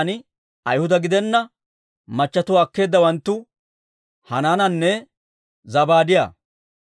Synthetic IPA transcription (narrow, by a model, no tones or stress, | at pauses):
nɪ | ɐjhʊd̪ɐɡɪd̪ɛnːɐ | mɐt͡ʃːɐt̪ʊwaːkːe̞ːd̪ːɐwɐnt̪ːʊ | hɐnaːnɐnːɛ | zɐbaːd̪ɪja̰ː